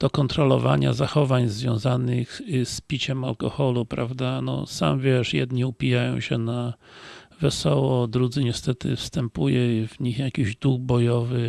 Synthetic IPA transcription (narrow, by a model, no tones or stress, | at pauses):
d̪̥ɔkɔnt̪ɾɔlɔ̰va̰ɲa̰zaxɔvaɲzvʲjɔ̰̃w̃zanɨxspʲit͡ɕɛmalkɔxɔlupɾa̰vd̪anɔ̰sa̰mvʲjɛʂjɛ̰d̪ɲiupʲijajɔ̃w̃ɕɛna | vɛsɔwɔd̪ɾud̪zɘɲɛst̪ɛt̪ɘ̰fst̪ɛmpujɛvɲixjakʲiʑd̪uɡ̚bɔjɔvɘ